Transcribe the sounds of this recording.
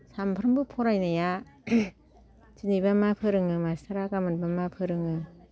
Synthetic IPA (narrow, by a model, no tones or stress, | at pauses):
sampʰɾɯmbɯpʰɔɾajnaja | d͡ʒɯnibamapʰɯɾɯŋɯmasaɾaɡamɯnbamapʰɯɾɯŋɯ